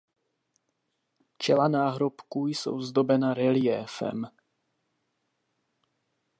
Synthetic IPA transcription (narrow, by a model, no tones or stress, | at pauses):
t͡ʃɛlanaːɦɾopkujso̰wzd̪o̞bɛnaɾɛlɪɛfɛ̰m